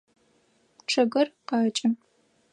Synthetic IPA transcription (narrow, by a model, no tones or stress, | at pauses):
ʈ͡ʂʰɐɡɐrqɑːt͡ʃʼɐ